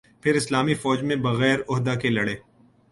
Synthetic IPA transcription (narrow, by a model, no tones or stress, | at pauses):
pʰɪɾɪslaːmifɔːd͡ʒmẽbɐɣɛːɾʊɦd̪akelɐɽeː